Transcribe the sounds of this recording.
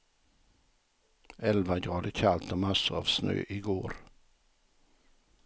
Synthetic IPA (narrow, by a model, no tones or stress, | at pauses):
ɛlʋaɡʁɑːd̪əçʰalt̪əmasəɑ̰ːʋsnø̰ːʔiːɡoːɾ